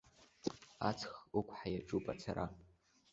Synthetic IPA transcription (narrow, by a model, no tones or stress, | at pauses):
at͡sʰχukʷʰħajaʈ͡ʂʼupʼat͡sʰaɾa